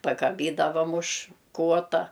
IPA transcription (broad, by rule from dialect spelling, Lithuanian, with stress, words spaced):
pɐkɐˈbʲiːdɐʋɐm ʊʃ ˈkuɔtɐ